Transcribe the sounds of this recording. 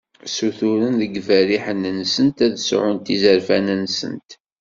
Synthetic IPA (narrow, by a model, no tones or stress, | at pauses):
suθuɾənðəɡvæɾiħənnsənt̪æðsʕʊnt̪izəɾfæ̰nænsə̰nt̪